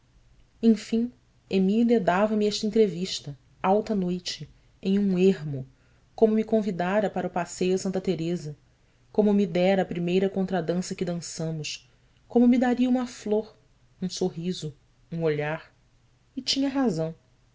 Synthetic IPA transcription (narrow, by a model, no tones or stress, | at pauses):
ẽj̃fĩ | emiliɐd̪avɐmɪɛʃt̪ɐẽnt̪ɾeviʃt̪ɐ | awt̪ɐnojt͡ʃɪ | ẽj̃ũeɦmʊ | kõmʊmikõvid̪aɾɐpaɾɐʊpasejʊsɐ̃nt̪ɐt̪eɾezɐ | kõmʊmid̪ɛɾɐːpɾimejɾɐkõnt̪ɾɐd̪ɐ̃sɐkɪd̪ɐ̃sɐ̃mʊʃ | kõmʊmid̪aɾiɐũmɐfloɾ | ũsoɦizʊ | ũoʎaɾ | ɪt͡ʃĩɲɐɦazɐ̃w̃